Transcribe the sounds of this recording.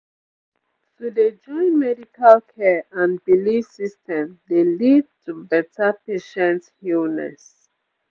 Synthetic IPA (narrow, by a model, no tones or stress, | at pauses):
tuded͡ʒɔ̃ɪ̃nmɛdikʰalkʰɛãnbilisistɛ̃mdelid̚tʰubɛtʰapeʃɛ̃nthilnɛ̰s